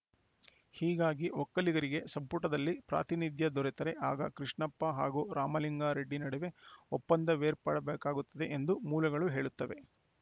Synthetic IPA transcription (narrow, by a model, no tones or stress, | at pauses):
hiːɡaːɡiɔkːɐliɡɐɾiɡe̞sɐmpuʈɐd̪ɐlːipɾa̰ːt̪inid̪jɐd̪ɔɾɛt̪ɐɾeʔaːɡɐkɾiʂɳɐpːɐɦaːɡuːɾaːmɐliŋɡaːɾeɖːinɐɽɛʋe̞ɔpːɐnd̪ɐʋeːɾpa̰ːɽɐbeːkaːɡut̪ːɐd̪e̞ʔend̪umuːlɐɡɐɭuɦe̞ːɭut̪ːɐʋe̞